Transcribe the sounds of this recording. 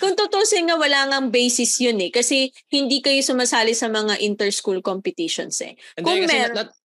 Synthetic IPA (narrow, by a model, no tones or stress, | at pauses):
kʊŋt̪ʊt̪oʔsɛŋɐwɐlaːŋɐŋbɛjsɪsjʊnɛkɐsɛhɪnd̪ikɐjosʊmasaːlɪsɐmɐŋaʔɪnt̪ɛɹskulkompɪt̪ɪʃo̰nsɛ̰kʊŋmɛ